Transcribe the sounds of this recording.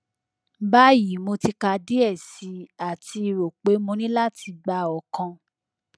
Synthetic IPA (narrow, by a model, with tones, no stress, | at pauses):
ba˦ji˨˦mo˧ti˧ka˧di˦ɛ˦˨si˨˧˦a˨ti˧ɾo˨k͡pe˨˦mõ˧nĩ˦la˦˨ti˧ɡ͡ba˧˦ɔ˨kã˧